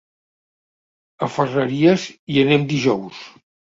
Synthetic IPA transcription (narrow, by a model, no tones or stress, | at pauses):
əfərəɾiəziənɛmd̪iʒɔws